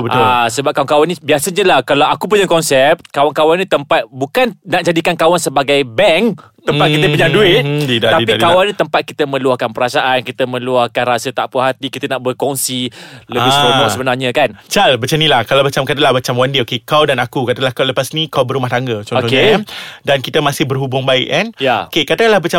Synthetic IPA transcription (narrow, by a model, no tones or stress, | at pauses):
bət̪ʊsəbap̚kawaŋkawanĩbiasəɲəlahkalawakup̬uɲakɔnsɛp̪̚kawankawanĩt̪əmpat̪̚bukannaʔd͡ʒadikankawansəbaɡajbɛŋ | t̪əmpat̪̚kit̪əpuɲaduɪt̪̚didat̪aipikawanĩt̪əmpat̪̚kit̪əmə̃luahkanpəɾasaʔankit̪əmə̃luahkanrasət̪aʔpəɦat̪ikit̪ənaʔbərkɔŋsiləabɪsoɔsəbənarɲə̃kant͡ʃalbət͡ʃanilahkalawbat͡ʃamkat̪əlahbat͡ʃamwandiokekawdanakukat̪əlahkawləpasnikawbəɾumaht̪aŋɡət͡ʃɔ̃not̪ɔɲdankit̪əmasɪhbərɦubʊŋbaɪ̰ʔanjaokekat̪əlahbat͡ʃa